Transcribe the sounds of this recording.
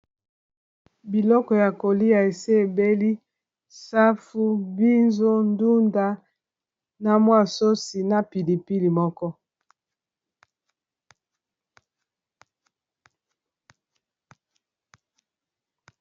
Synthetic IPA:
bi˨lɔ˦kɔ˨ja˨ko˨li˦a˨e˨se˦e˨be˦li˦ | sa˦fu˦bi˦nzo˦ndu˦nda˦ | na˨mwa˦˨so˦si˨na˦pi˨li˨pi˦li˨mɔ˦kɔ˦

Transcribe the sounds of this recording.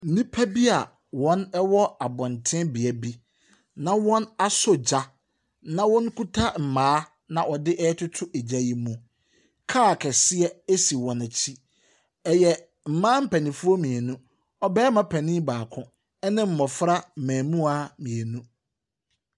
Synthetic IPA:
n̩˨nĩ˦pʰæ˦bi˦a˨ | wɔ̃˦nɛ˦wɔ˦a˨bɔ̃˨ntʰɪ̃˦bi˨ɛ˨bi˦ | nã˨wɔ̃˦na˦sɔ˦d͡ʑa˦ | nã˨wɔ̃˦n˦kʰu˦tʰa˦m̩˨mãː˦ | nã˨ʔɔ˨dɪ˦ʔɛ˦ɛ˦tʰʊ˦tʰʊ˦ʔe˨d͡ʑa˨ji˨mũ˨ | kʰa˦˨kʰɛ˨sɪ˦ɛ˦e˦si˨wɔ̃˨næ˨t͡ɕʰi˦ | ɛ˨jɛ˨ | m̩˨mãː˦m̩˦pʰæ˨nĩ˨fu˦ɔ˦mĩ˨ɛ˨nũ˦ | ɔ˦bɛː˦mã˦pʰæ˨nɪ̃˦baː˨kʰʊ̃˦ | ɛ˦nɪ̃˦m̩˨mɔ̃˨fɾa˦m̩˨mæ̃ː˨mũ˦a˨mĩ˨e˨nũ˦

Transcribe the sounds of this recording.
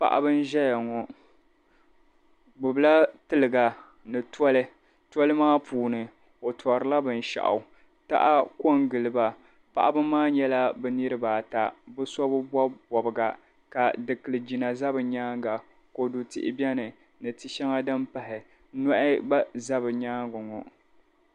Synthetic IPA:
pa̰˨ʔa̰˦bɨ˦n̩˦ʒɛ˦ja˨ŋɔ˨ | bʊ˨bla˦tɨ˦lɨ˨ɡa˨ | nɨ˨tɔ˦lɨ˦ | tɔ˦lɨ˦maː˦puː˨nɨ˨ | o˨tɔ˨ɾɨ˨la˦bɨ˨n˨ʃa̰˨ʔa̰˨ | ta̰˦ʔa˦ko˦ŋɡɨ˨lɨ˨ba˨ | pa̰˨ʔa̰˦bɨ˦mːaː˦ɲɛ˦la˦bɨ˦nɨ˦ɾɨ˦baː˨ta˨bɨ˦sɔ˦bɨ˦bɔ˦bɔ˨bɨ˨ɡa˨ | ka˨dɨ˨kɨ˨lɨ˨d͡ʒi˨na˨za˦bɨ˨ɲaː˦ŋɡa˨ | ko˨du˨tɪ̰˦ʔɪ̰˦bɛ˦nɨ˨ | nɨ˨tɨ˨ʃɛ˦ŋa˦dɨ˦mpa˨hɪ˨˦ | nɔ˦ʔɪ˦ba˦za˦bɨ˨ɲaː˦ŋɡɔ˨ŋɔ˨

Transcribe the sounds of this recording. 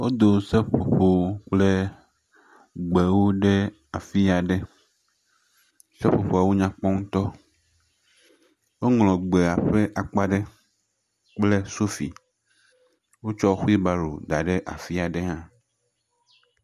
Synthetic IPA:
wo˦d̪o˨se˦ɸo˨ɸo˨k͡ple˦ | ɡ͡be˨wo˦ɖe˦ | a˨fi˦a˨ɖe˦ | se˦ɸo˨ɸo˨a˨wo˦ɲã˨k͡pɔ˦ŋũ˦t̪ɔ˦ | wo˦ŋlɔ̃˨ɡ͡be˨a˨ɸe˦ʔa˨k͡pa˦ɖe˦ | k͡ple˦so˦fḭ˨ | wo˦t͡ʃɔ˦xu˦i˦ba˦ɾo̰˨d̪a˨ɖe˦ʔa̰˨fi˦a˨ɖe˦ɦã˦

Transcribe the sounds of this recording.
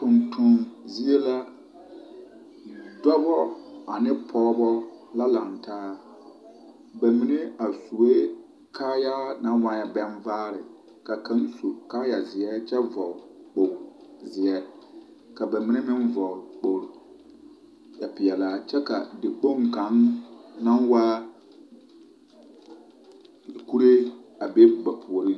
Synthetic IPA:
tʊ˨ntʰʊ̃˨nzi˦e˦la˦ | dɔ˦bɔ˦a˨nɪ˦pʰɔː˦bɔ˦la˦la˨ntʰaː˦ | ba˨mi˨ne˦a˨su˨e˦ | kʰaː˦ja˦nã˨˦wã˨ɲɛ˦bɛ˦nvaː˦ɾɪ˨ | ka˨kʰã˨˦n˦su˨kaː˦ja˨zɪ˨ɛ˦t͡ʃɛ˦vɔ˨k͡po˨zɪ˨ɛ˦ | ka˨ba˨mi˦ne˦mɪ̃˦n˦vɔ˨k͡po˨ɾ | ja˨pɪ˨ɛ˨laː˦t͡ʃɛ˦ka˨dɪ˨k͡po˦˨ŋ˨kã˨˦ŋnã˦nwa˦˨ | ku˦ɾe˦a˨be˦ɡ͡ba˨pʰʊ˨ɔ˨ɾi˦

